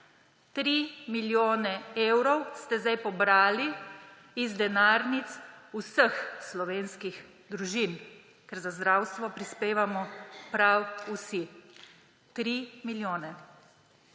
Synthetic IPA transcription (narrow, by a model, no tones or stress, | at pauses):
t̪ɾimiljoːnɛeːwɾɔwst̪ɛzd̪ajpɔbɾaːli | izd̪ɛnaːɾnit̪susəxslɔʋeːnskix | d̪ɾuʒin | kɛɾzazd̪ɾaːwst̪ʋɔpɾispeːʋamɔpɾawusi | t̪ɾimiljoːnɛ